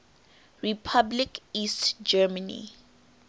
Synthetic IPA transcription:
ɹipʰablikistd͡ʒɛmanḭ

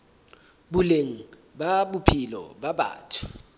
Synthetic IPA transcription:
buleŋ̩ | baɓupʰilɔ̰ɓaɓa̰ːtʰḁ

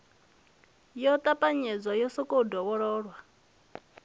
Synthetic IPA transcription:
jɔt̪ʼapʼaɲɛd͡zʷajɔsɔkʼodɔβɔɺɔːɺwa

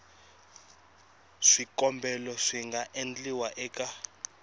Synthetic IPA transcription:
ʂikʼɔmbʱɛlɔʂiŋɡaʔend͡ɮʼiwaʔɛːkʼa

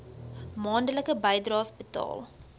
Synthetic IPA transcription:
mɑːndələkəbəjdrɑːsbətɑ̰ːlˠ

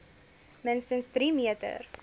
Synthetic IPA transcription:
mənstənsdɾimiətə̰r

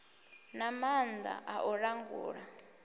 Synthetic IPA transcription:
namand͡za̰ʔaʔɔɺaŋɡṵːɺa

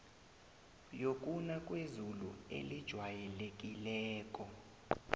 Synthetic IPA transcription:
jokʼunakʼwezulṵḛlid̥ʒ̥ʱwajɛlek̬ʼilɛːkʼɔ

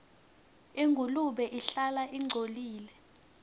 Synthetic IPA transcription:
iŋɡʱuluɓɛʔiɬalaʔiŋ͡ǀʱoliːlɛ

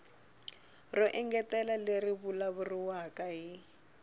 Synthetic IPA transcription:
rɔʔɛŋɡɛtɛlaleriβulaβuriwakaɦi

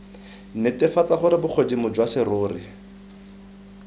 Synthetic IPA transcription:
nɪtɪfat͡saχʊɾɪbʊk͡xʰodimʊd͡ʒwasɪrʊːrɪ

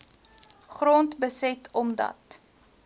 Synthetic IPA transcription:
χrɔntbəsɛtʰɔmdɐ̰t

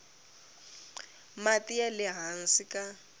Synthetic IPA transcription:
matʼɪjalɪɦan̩sɪkʼa

